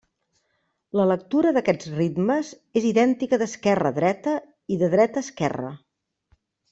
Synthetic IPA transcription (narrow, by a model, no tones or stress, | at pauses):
lələk̚t̪uɾəðəkɛd͡zrid̪məz | eziðɛnt̪ikəðəskɛrə̰ðɾɛt̪ə | iðəðɾɛt̪əːskɛrə̰